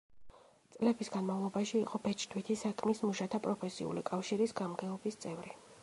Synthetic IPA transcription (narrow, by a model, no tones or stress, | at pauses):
t̪sʼlɛbisɡanmavlˠɔbaʃiːqʼɔbɛt͡ʃʰʼd̪ʰwit̪ʰisakʰmismuʃat̪ʰapʼɾɔpʰɛsḭṵlḭkʼafʃiɾisɡamɡɛɔbist̪sʼɛvɾi